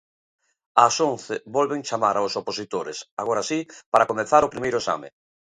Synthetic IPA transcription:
asõnθebɔlβeŋt͡ʃamaɾaosoposit̪oɾesa̰ɣ̞oɾasipaɾakomẽnθaɾʊpɾimejɾʊesa̰mɪ̰

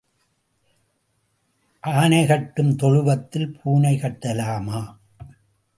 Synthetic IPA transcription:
ʔaːnɐɪɣɐʈːɯmt̪ɔɻɯʋɐt̪ːɪlpʰuːnɐɪkɐʈːɐlaːmaː

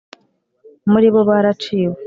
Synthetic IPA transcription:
muɾiβoβaɾat͡ʃiːwo

